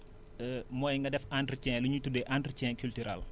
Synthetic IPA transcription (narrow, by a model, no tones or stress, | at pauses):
mɔːjŋɡɐdɛfantricɛ̃luɲutːudeʔantricɛ̃nkyltyɾa̰l